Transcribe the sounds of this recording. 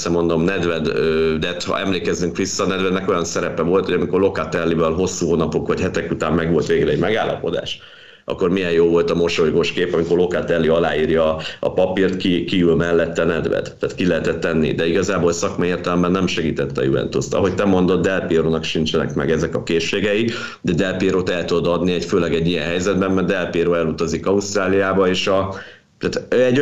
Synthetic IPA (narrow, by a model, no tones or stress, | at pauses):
sɛmo̞nd̪o̞mnɛd̪vɛd̪øːd̪ɛt̪hɒ̰ʔɛmleːkɛzyŋkʋisːɒːnɛd̪vɛd̪nɛko̞jɒnsɛɾɛpɛvo̞lt̪hoɟɒmiko̞rlo̞kat̪ɛlːivɛlɦo̞sːuːɦoːnɒpokʋɒchɛt̪ɛkut̪aːmːɛɡvo̞lt̪ʋeːɡrɛɛɟmɛɡa̰ːlːɒ̰po̞d̪a̰ːʃ | ɒ̰kːo̞rmijɛjjoːvo̞lt̪ɒmo̞ʃojɡoʃkeːpɒmikorlo̞kat̪ɛlːiɒlaːiːrjɒ̰ːpɒpirt̪kikiylmɛlːɛt̪ːɛnɛd̪vɛ̰t̪t̪ːaːt̪kilɛɦɛt̪ɛt̪ːɛnːḭd̪ɛiɡɒzaːbolsɒkmɒeːrt̪ɛlɛmbɛnːɛmʃɛɡiːt̪ɛt̪ːɛ̰jṵɛ̰nt̪ust̪ɒ̰ɦo̞ct̪ɛmo̞n̪d̪o̞d̪ːɛlpiɾoːnɒkʃint͡ʃɛnɛ̰kmɛ̰ɡɛzɛkɒkeːʃːeːɡɛji | d̪ɛd̪ɛlpiɾot̪ɛlt̪ud̪od̪ɒd̪niɛcføːlɛɡɛɟːijɛnɦɛjzɛd̪bɛmːɛrd̪ɛlpiːɾoːɛlut̪ozikɒust̪raːlijaːbɒeːʃɒ | t̪aːt̪ɛɟ